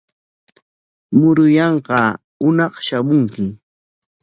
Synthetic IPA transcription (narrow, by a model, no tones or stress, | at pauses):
mʊɾʊjɑɴɢɑ | ʊnɑχʃamʊŋkɪ